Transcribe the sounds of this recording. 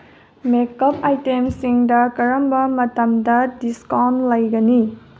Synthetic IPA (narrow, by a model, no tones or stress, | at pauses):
mekːɐpajtemsiŋdɐkɐɾɐmbɐmɐtɐmdɐdiskawnlɐjɡɐni